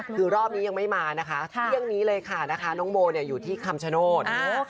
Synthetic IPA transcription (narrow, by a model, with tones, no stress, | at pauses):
ɯː˧ɾɔː˥˩p̚niː˦˥ja˧ŋma˥˩jmaː˧na˦˥kʰa˦˥ɾʰɯ˥˩əŋniː˦˥lɤː˧jkʰa˥˩na˦˥kʰa˦˥nɔː˦˥ŋboː˧ni˥˩əjuː˨˩t̪ʰiː˥˩kʰa˧mt͡ɕʰa˧noː˥˩t̪̚